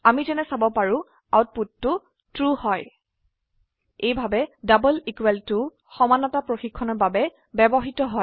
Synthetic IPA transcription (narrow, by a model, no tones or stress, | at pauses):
amizɛnɛsabɔpaɹʊ̃ | awt̚putːʊ | tɹuhɔj | ejbʱabɛdabɔlikwɛltʊ | xɔmanɔtapɹoxikʰːɔnɔɹbabɛ | bɛbɔɦitɔɦɔ